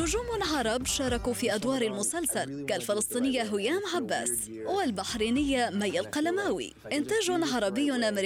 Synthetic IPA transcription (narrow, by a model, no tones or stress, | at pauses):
nʊd͡ʒuːmʕɑɾˤɑbʃɑːɾˤɑkufiːʔad̪wɑːɾˤalmʊsalsalkalfɪlɑsˤt̪ˤiːnɪjːaɦʊjaːmʕabːa̰ːs | walbaħɾiːnɪjːamajːalqɑlamaːwḭ | ʔɪnt̪aːʒʊnʕɑɾˤɑbɪjːʊnʔamɾ